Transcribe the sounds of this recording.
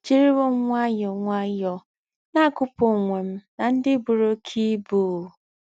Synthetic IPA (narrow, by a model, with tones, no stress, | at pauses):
t͡ʃi˦ɾi˦wo˦ŋʷa˦jɔ˨ŋʷa˦jɔ˨ | na˦˨kʊ˦po˨ŋʷe˨m̩˦na˨n̩˦dɪ˦bu˨ɾo˦kʰi˦buː˦˨